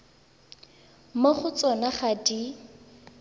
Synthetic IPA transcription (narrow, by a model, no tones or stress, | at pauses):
maχʊt͡sɔnaχadi